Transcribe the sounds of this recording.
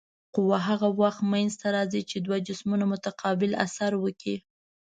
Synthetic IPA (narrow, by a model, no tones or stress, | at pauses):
qʊwaɦaɣawaxt̪manzt̪aɾɑzit͡ʃed̪wad͡ʒɪsmunamʊt̪aqʰɑbɪla̰saɾwəki